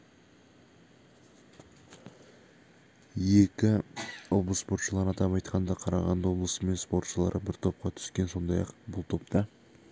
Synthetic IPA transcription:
je̞kʲɪwoblˠəsspo̞ɾt̪ʃəlˠɑʁənɑt̪ɑpɑjt̪̚qɑnd̪ɑqʰɑɾɑʁɑ̰nd̪ɑwo̞blˠəsəme̞nspo̞rt̪ʃəlˠɑ̰ɾʔəbɪɾt̪ʰo̞p̚qɑt̪ʰʏ̥skʲe̞nso̞nd̪ɑjɑ̰qbʊlˠt̪ʰo̞p̚t̪ɑ

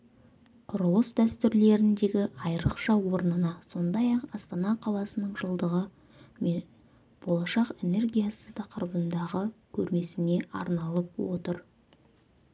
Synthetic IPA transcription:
qʰʊɾəlˠəsd̪æst̪ʏɾle̞ɾɪnd̪e̞ɡʲɪʔɑjɾəqʃɑwo̞ɾnənɑso̞nd̪ɑjɑqɑst̪ɑnɑqʰɑlˠɑsənəɴʒəlˠd̪əʁə | b̥o̞lˠɑʃɑqe̞ne̞rɡʲijasət̪ʰɑqəɾəbənd̪ɑʁəkʲʰɵɾme̞sɪne̞ʔɑ̰ɾnɑlˠəpwo̞̰t̪əɾ

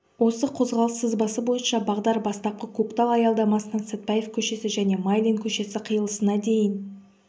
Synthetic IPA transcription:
wo̞səqʰo̞zʁɑlˠəsːəzbɑsəbo̞jənʃɑbɑʁd̪ɑɾbɑst̪ɑp̚qəkʰukt̪alˠɑjɑlˠd̪ɑmɑsənənset̪̚pajefkʲʰɵʃe̞sɪʒæne̞majlʲiŋkʲʰɵʃe̞sɪqʰəjəlˠəsənɑd̪e̞jən

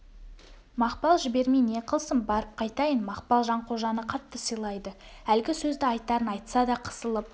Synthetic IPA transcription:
mɑqpɑlˠʒɪbe̞ɾmeneqʰəlˠsəmbɑɾəp̚qʰɑjt̪ɑjənmɑqpɑlˠʒɑɴqʰo̞ʒɑnəqʰɑt̪ːəsəjlˠɑjd̪əælɡʲɪsɵzd̪ɪɑjt̪ːɑɾənɑjt̪sɑd̪ɑqʰə̥səlˠəp̚

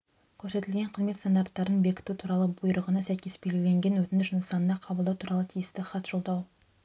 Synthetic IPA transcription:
kʲʰɵɾse̞t̪ɪlɡʲe̞ɴqʰəzmet̪st̪ond̪ɑɾrt̪ːɑɾənbe̞kʲɪ̥t̪ut̪ʰuɾɑlˠəbujɾəʁənɑsæjkʲe̞sbelɡʲɪle̞ŋɡʲe̞nwɵt̪ɪnɪsʒnəsɑnənɑqʰɑbəlˠd̪ɑwt̪ʰuɾɑlˠət̪ʰijɪst̪ɪχɑt̪ʒ̥olˠd̪ɑw

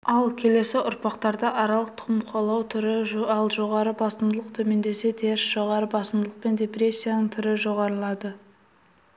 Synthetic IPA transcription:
ɑlˠkʲʰe̞le̞sɪʔʊɾpɑqt̪ɑɾd̪ɑʔɑɾɑlˠəq̚t̪ʰʊ̥qəmqʰo̞lˠɑwt̪ʰʏɾɪɑlˠʒo̞ʁɑɾəbɑsəmd̪əlˠəqt̪ʰɵme̞nd̪e̞se̞t̪ʰe̞ɾɪsʒ̥o̞ʁɑɾəbɑsəmd̪əlˠəq̚pe̞nd̪ʲe̞pɾe̞sʲːijanəɴt̪ʰʏɾɪʒo̞ʁɑɾəlˠɑd̪ə

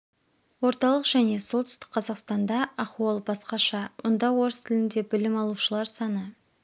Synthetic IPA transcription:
wo̞ɾt̪ɑlˠəqʒ̥æne̞so̞lˠt̪ʰʏ̥st̪ɪ̥k̚qʰɑzɑqst̪ɑnd̪ɑɑquɑlˠbɑsqɑʃɑmʔʊnd̪ɑwo̞ɾst̪ʰɪlɪnd̪e̞bɪlɪmɑlˠuʃəlˠɑɾsɑnə

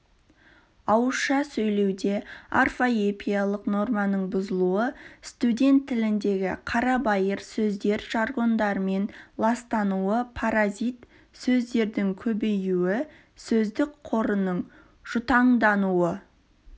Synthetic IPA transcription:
ɑwəsʃɑsɵjle̞wd̪e̞arfoepʰʲijɑlˠəqno̞rmɑnəɴbʊzəlˠuəst̪ud̪ʲe̞nt̪ʰːɪlɪnd̪e̞ɡʲɪ̰qʰɑɾɑbɑjəɾsɵzd̪e̞ɾʒ̥ɑɾʁo̞nd̪ɑɾəme̞nlˠɑst̪ɑnuəpʰaɾazʲit̪ | sɵzd̪e̞ɾd̪ɪŋkʲʰɵbe̞juwɪ | sɵzd̪ɪkqʰo̞ɾənəɴ | ʒ̥ʊt̪ɑɴd̪ɑnuə

